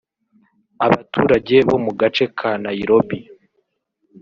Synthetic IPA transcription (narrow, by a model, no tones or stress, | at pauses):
aβatʰuːɾaɟe̞βo̞muɡat͡ʃe̞kʰanaiɾobi